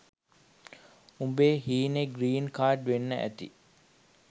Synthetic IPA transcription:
umbeːhiːneɡɾiːnkaːʈʋenːəʔæ̰t̪ḭ

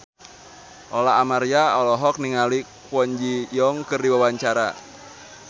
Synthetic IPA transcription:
ʔɔlaːmaɾijaɔlɔɦɔk̚niŋali | wɔɲd͡ʒijɔŋkɨrdiwawaɲt͡ʃaɾa̰

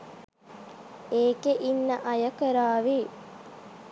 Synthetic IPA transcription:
eːkeʔinːəʔɐjəkəɾaːʋi

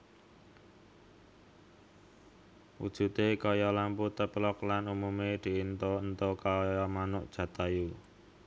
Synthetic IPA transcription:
wṵd̥ʒ̥ṳt̪ekɔjɔlamput̪əplɔklanumumed̪̥i̤int̪oənt̪okɔjjɔmanʊʔd̥ʒ̥ä̤t̪aju

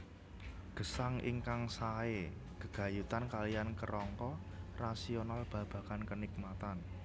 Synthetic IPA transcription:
ɡ̥ə̤saŋḭŋkaŋsae | ɡ̥əɡ̥ä̤jut̪ankalijankəɾɔŋkɔ | rasionalb̥ä̤b̥a̤kankənik̚mat̪an

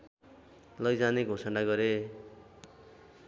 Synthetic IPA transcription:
lʌjd͡zaneɡʱosʌɳɖaɡʌɾe

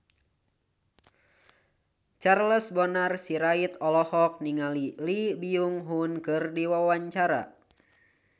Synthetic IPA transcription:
t͡ʃarləsbɔnarsiɾait̪ɔlɔhɔk̚niŋalilibiuŋɦunkɨrdiwawaɲt͡ʃaɾa̰

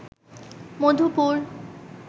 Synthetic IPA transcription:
mod̪ʱupuɾ

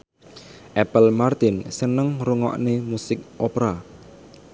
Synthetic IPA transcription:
ʔɛpəlmart̪ɪnsənəŋɾuŋɔ̰ʔnemusɪk̚ʔopɾa

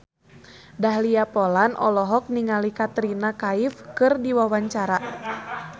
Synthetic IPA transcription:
daɦliapɔlanʔɔ̰lɔɦɔk̚niŋalikat̪ɾinakaifkɨrdiwawaɲt͡ʃaɾa

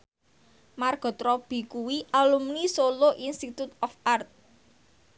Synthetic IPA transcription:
marɡ̥ɔ̤t̪ɾɔb̥i̤kuwiʔalumnisoloʔinst̪it̪ut̪ɔfart̪̚

